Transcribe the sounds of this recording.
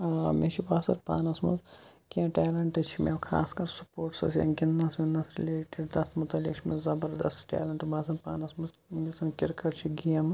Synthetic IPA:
amet͡ʃʰibaːsɐɾpa̰ːnɐsmɐzkiãːʈeːlɐɳʈɨt͡ʃʰimeʋkʰa̰ːskɐɾsupoːɾʈsɐ̰sjɐ̰nɡinːɐsmʲinːɐsɾḭleːʈiɖd̪ɐst̪mut̪ɐlʲḭkt͡ʃʰimezɐbɐɾd̪ɐst̪ʈɛ̰ːlɐɳʈbaːsɐnpaːnɐsmɐz | ɡisʰɐnkʲiɾkɐʈt͡ʃʰiɡijɐmɨ

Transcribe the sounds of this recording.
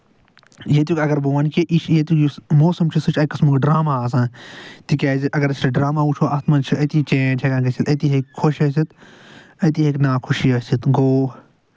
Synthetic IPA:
jet̪ukʲɐɡɐɾboːwɐnkiʔiʃjet̪ukjusmoːsɐmt͡ʃʰisɨt͡ʃʰɐjkɐsmukɖɾaːmaːs̬ãːt̪ikʲaːziʔɐɡɐɾsʰʈɖɾaːmaːut͡ʃʰoːɐt̪ʰmɐnt͡ʃʰiɐt̪it͡ʃẽːt͡ʃʰekãːɡɐsʰit̪ɐt̪iɦekʰoʃɐs̬it̪ | ɐt̪iɦeknaːkʰuʃiɐsit̪ɡoː

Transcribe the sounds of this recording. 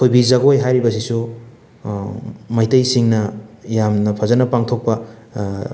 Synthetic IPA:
kʰojbizɐɡojɦajɾibɐs̬isu | mɐjtɐjsiŋnɐjamnɐpʰɐzanɐpaŋtʰok̚pɐ

